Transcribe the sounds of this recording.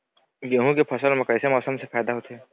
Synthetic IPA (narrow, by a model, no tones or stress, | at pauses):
ɡeɦũkepʰɐsəlmɐkəjsemɔːsəmsefʰaːjd̪aɦot̪eɦɛː